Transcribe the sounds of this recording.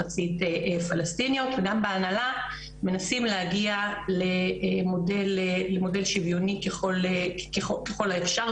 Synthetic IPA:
at͡siteʔefalastinjo̞tveɡambeanala | me̞nasimlehaɡialemo̞de̞leːemo̞de̞lʃivjonikeχo̞lekeχokeχo̞laefʃa

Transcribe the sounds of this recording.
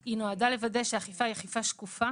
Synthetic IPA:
inoadale̞vade̞ʃeaχifaiaχifaʃkufa

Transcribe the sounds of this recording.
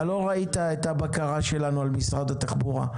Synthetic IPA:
alo̞ʁait̪aet̪abakaʁaʃe̞lanualmisʁad̪at̪aχbuʁa̰

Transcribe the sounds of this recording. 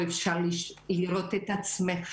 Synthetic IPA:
ɛfʃaliʃiɾɔt̪ʰɛt̪at̪sʰmɛχ

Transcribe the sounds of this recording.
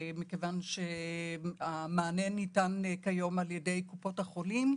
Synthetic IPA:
mikevanʃe | amaːnenːitankajo̞maljede̞jkupo̞thaχo̞lim

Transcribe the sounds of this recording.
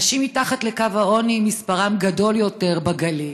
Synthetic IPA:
ʃimitaχatle̞kavhao̞nimispaʁamɡado̞ljo̞te̞ʁbaɡali

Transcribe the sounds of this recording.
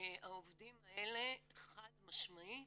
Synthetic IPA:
aovdimaele̞χadmaʃmai

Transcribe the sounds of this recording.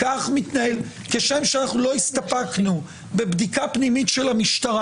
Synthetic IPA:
kaχmitnael | keʃe̞mʃeanaχnulo̞ist̪apaknu | be̞bdikapnimitʃe̞lamiʃt̪aʁa

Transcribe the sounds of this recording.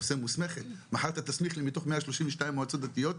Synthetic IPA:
semusmeχet̪maħaʁt̪at̪asmiχlimit̪oχmeaʃloʃimveʃtaimːoat͡sot̪̚d̪at̪ijot̪

